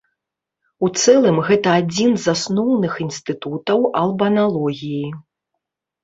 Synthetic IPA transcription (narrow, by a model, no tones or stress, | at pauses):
ut̪sɛlˠɨmɣɛt̪ɐad͡zʲinzasnɔwnɨxinst̪ɨt̪ut̪ɐwɐlˠbɐnalˠɔɣʲiji